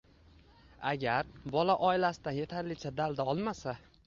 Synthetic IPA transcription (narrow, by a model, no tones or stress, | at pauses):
a̰ɡʲaɾbɒlaʔɒɪlasɪd̪anje̞t̪ʰaɾlɪt͡ʃʰad̪ald̪aɒlˠmasa